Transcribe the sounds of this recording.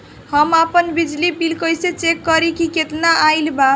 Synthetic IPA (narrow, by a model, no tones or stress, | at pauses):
həmapənbid͡ʒlipilkəjset͡ʃekːəɾikiket̪naʔajlba